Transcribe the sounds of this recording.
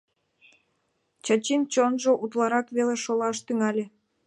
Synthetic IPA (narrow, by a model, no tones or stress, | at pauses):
t͡ɕɑt͡ɕint͡ɕonʒoʔut̪lɑɾɑkβeleʃolɑʃt̪yŋɑlʲe